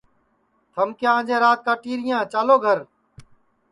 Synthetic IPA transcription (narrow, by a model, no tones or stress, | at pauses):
t̪ʰəmkjãːd͡ʒẽːɾaːt̪̚kaːʈiːɾɪjãːt͡ʃaːloːɡʱəɾ